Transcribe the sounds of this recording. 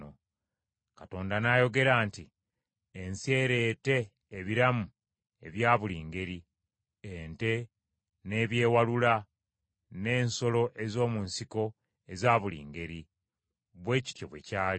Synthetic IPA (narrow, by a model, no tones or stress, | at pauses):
o | kato̞ːndanajo̞ɡe̞ɾaːnti | ense̞ːɾe̞ːte̞ː | βiɾamu | e̞βjaːβuliːŋɡe̞ɾi | ente̞ | ne̞ːβje̞ːwalula | ne̞ːnso̞lo̞ʔe̞zo̞ːmunsiko̞ | e̞zaːβulḭːŋɡe̞ɾi | βwe̞ːci̥tjo̞̰βwe̞̰caː